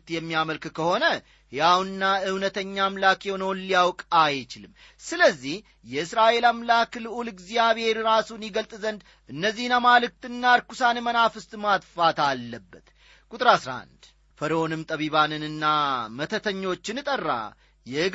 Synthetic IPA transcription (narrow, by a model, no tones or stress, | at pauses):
t̪jɛmːijaməlkɨkʰəho̞nə | jawnɨnːaɨwnət̪ʰəɲːamlakenownlijawkʼajt͡ʃɪlɨmː | sɨləzːih | jɛɨsɾaʔe̞lamlaklɨʔulɨɡzijaβhe̞ɾɾasunjɪɡəlt̪ʼzənd̪ | ʔɨnːəzːihnamalɨk̚t̪ɨnːaɾkusanmənafɨst̪ʼmat̪fat̪alːəbːət̪ | kʼut̪ʼɨɾasɾa̰nd̪ | fəɾonɨmt̪ʼəβiβanɨnɨnːamət̪ʰət̪ʰəɲːo̞t͡ʃːɪnɨt̪ʼərːa̰ | jɛɨ